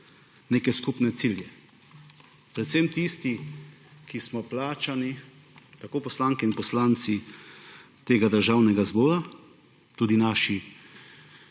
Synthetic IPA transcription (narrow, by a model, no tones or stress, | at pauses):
neːkɛskupnɛt̪siljɛ | pɾɛt̪semt̪ist̪i | kismɔplaːt͡ʃani | t̪akoːpɔslaːŋkɛinpɔslaːnt̪si | t̪eːɡad̪əɾʒaːwnɛɡazbɔːɾa | t̪uːd̪inaːʃi